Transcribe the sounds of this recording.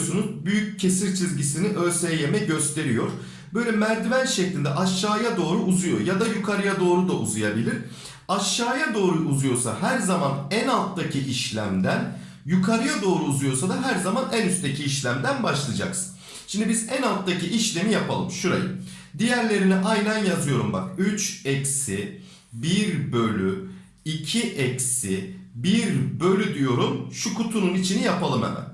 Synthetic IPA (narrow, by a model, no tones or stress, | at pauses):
sunuzbyjyc̚cʰːe̞siɾt͡ʃʰizɟisiniʔø̞lsejɛjemɛɟø̞st̪ʰe̞ɾijo̞ɾ̥ | bø̞jlʲɛmæɾd̪ivænʃɛclʲind̪ɛʔaʃːaːjad̪o̞ːɾuːzujo̞̰ɾjad̪ajukʰaɾɯjad̪o̞ːɾud̪aʔuzujabilʲiɾ̥ | aʃːaːjad̪o̞ːɾuʔuzujo̞ɾsa̰hæɾzamanænalˠt̪ːacʰiʔiʃlʲæ̰md̪æn | jukʰaɾɯjad̪o̞ːɾuːzujo̞ɾsad̪aɦæɾzamanænyst̪t̪ʰe̞cʰiːʃlʲæmd̪ænbaʃlˠɯd͡ʒa̰ks | ʃimd̪ibizænalˠt̪ːaciʔiʃlʲe̞mijapʰalˠɯmʃuɾa̰jɯ̰ | d̪ijæɾlʲe̞ɾiniʔajnanjazɯjo̞ɾumba̰kyt͡ʃɛcsi | biɾbø̞lʲy | icʰiʔɛcsibiɾbø̞lʲyd̪ijo̞ɾumʃukʰut̪ʰununit͡ʃʰinijapʰalˠɯmḛmæ̰m